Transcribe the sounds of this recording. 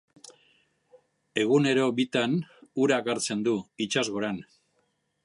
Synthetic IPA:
e̞ɣ̞une̞ɾo̞bit̪anuɾakaɾt͡se̞nd̪uit͡ʃazɣo̞ɾan

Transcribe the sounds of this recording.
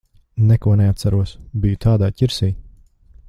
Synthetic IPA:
nɛkuɔnɛat̪saɾuɔsbijut̪ʰaːd̪aːcʲiɾsiː

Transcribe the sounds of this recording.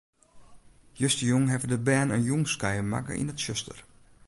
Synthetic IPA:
jøstəjuŋɦɛvədəbɛːnənjuŋskajəma̰kə̰ʔḭnətʃøstər

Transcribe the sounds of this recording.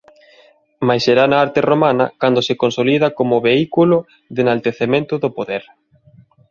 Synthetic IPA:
majseɾanaaɾt̪eromanɐ̰kand̪osekonsoliðɐkomʊβeikulʊ | ðenalt̪eθemẽnt̪ʊðopoðeɾ

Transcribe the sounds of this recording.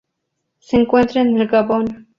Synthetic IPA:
seŋkwent̪ɾenːelɡabon

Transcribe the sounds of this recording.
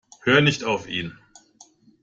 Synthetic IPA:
høːnɪçtaʊfʔḭːn

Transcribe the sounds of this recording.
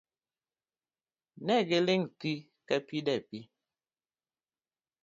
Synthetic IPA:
nɛɡeliŋti | kɛpidɛpi

